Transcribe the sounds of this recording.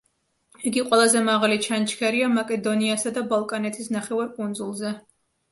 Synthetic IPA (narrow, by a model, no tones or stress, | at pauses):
iɡiqʼwɛlˠazɛmaʁalit͡ʃʰant͡ʃʰkʰɛɾiamakʼɛd̪ɔniasad̪abalˠkʼanɛt̪ʰisnaχɛvaɾkʼund̪zulˠzɛ